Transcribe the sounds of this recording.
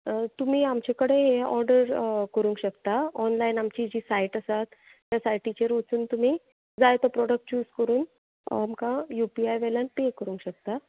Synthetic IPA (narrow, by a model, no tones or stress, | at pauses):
t̪um̤iːamt͡ɕekəɽeɦeɔ̰ɾɖəɾkəɾũŋkɕəkt̪aɔnlainamt͡ɕiːd͡ʑiːsaiʈəsat̪ː | jasajʈʰːit͡ɕeɾʋət͡suːnt̪um̤iː | d͡zajt̪ɔpɾɔɽək̚ʈt͡ɕuːskəɾuːn | amkajupiajʋɛlanʈekːəɾũŋkɕək̚t̪a